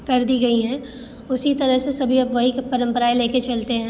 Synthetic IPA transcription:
kɐɾd̪iɡɐiɦɛ̃ː | ʊsit̪ɐɾəɦsesɐbʱiɐbʋɐɦikpɐɾə̃mpəɾaeleːket͡ʃɐlt̪eɦɛ̃

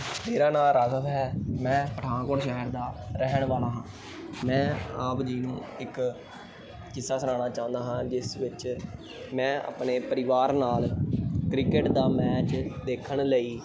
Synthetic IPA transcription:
meːɾaːnaːlɾaːkət̪ɦɛːmɛ̃ːpəʈʰãːkoːɾʃɛɦəɾd̪aːɾɛɦɳʋaːlaːɦãː | mɛ̃ːaːpd͡ʒiːnũːɪk | kɪsːaːsəɾaːnaːt͡ʃaːʊ̃nd̪aːɦãːd͡ʒɪsʋɪt͡ʃ | mɛ̃ːa̰ːpɳeːpəɾɪʋaːɾnaːlkɾɪkeʈd̪aːmɛːt͡ʃd̪eːkʰəɳləiː

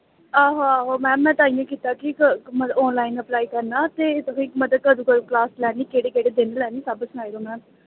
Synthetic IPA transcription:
aːɦoaːɦoːmɛ̃ːmɛ̃ːt̪aːĩjãːkiːt̪aːkikməɔːnlaːinəplaːiːkəɾnaːt̪eːt̪əkʰõɪkməd̪əkəɾuːkəɾuːklaːslɛːniːkeːɽeːkeːɽeːd̪enlɛːniːsəbəsʊnaːiɾoːmɛ̃ːn

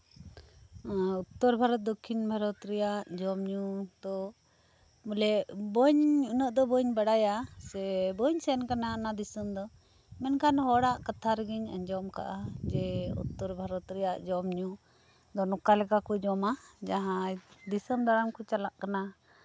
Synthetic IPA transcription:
ut̪ːɔɾbʱaɾɔt̪̚d̪ɔkʰːinbʱaɾɔt̪ɾɛjaʔʔd͡ʒɔmɲud̪ɔ | mulɛbɔɲunəʔd̪ɔbɔɲbaɽajasɛbɔɲsɛnkananad̪isəmd̪ɔ | mɛnkʰanɦɔɽaʔkat̪ʰaɾəɡiɲə̰ɲd͡ʒɔmka̰ʔad͡ʒɛṵt̪ːɔɾbʱaɾɔt̪ɾɛjaʔd͡ʒɔmɲu | d̪ɔnɔkalɛkakɔd͡ʒɔmad͡ʒaɦãd̪isəmd̪ʱaɾəmkɔt͡ʃalaʔkana

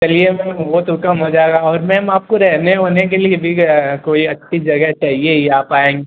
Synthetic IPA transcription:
t͡ʃɐliemɛ̃ːnboːt̪ʊkəmɦoːd͡ʒaːɡaɔːɾmɛ̃ːmaːp̚koɾɛɦneɦoːnek̬eliebʱikoːiɐt͡ʃʰːid͡ʒɐɡɛɦt͡ʃɐɦieeaːpaːẽːŋɡe

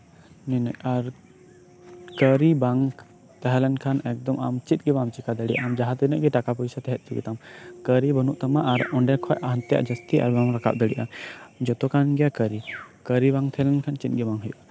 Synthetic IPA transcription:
ninəjaɾ | kəɾibaŋ | t̪ɛɦɛlɛnkʰanɛk̚d̪ɔma̰mt͡ʃit̪̚ɡɛbamt͡ʃikad̪əɽḭʔamd͡ʒaɦat̪inəʔɡɛʈakapɔjsat̪ɛɦɛt̪̚t̪iɡḭt̪amkəɾibənuʔt̪amaʔaɾɔ̃ɳɖɛkʰɔjʔaɦnt̪ɛja̰ʔd͡ʒəst̪iʔa̰ɾbamɾakʰa̰ʔ̚d̪əɽiʔamd͡ʒɔt̪ɔkanɡɛjakəɾikəɾibãŋt̪ʰɛɦɛlɛnkʰant͡ʃit̪̚ɡɛbaŋɦujuʔ

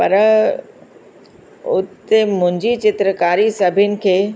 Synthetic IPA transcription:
pɐɾ | ʊt̪emʊ̃ɦɪ̃ɲd͡ʑit͡ɕɪt̪ɾəkaːɾisɐbʱijənɪ̆kʰeː

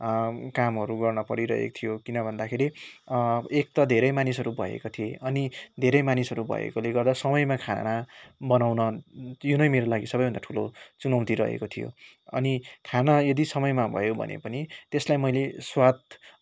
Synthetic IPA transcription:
kamɦʌɾuɡʌrnʌpʌɾiɾʌ̰ɦḛkt̪ʰijokinʌbʱʌnd̪akʰeɾi | ek̚t̪ʌd̪ʱeɾʌjmanisʌɾubʱʌ̰ḛkot̪ʰijeʔʌnid̪ʱeɾʌjmanisʌɾubʱʌ̰jḛkoleɡʌrd̪asʌmʌjmakʰa̰nabʌnawnʌjunʌjmeɾolaɡisʌbʌjbʱʌnd̪aʈʰulot͡sunʌwt̪iɾʌ̰ɦḛkot̪ʰijo̰ | ʌ̰nikʰanajʌd̪isʌmʌjmabʱʌ̰jobʱʌ̰nḛpʌnit̪eslajmʌjleswat̪

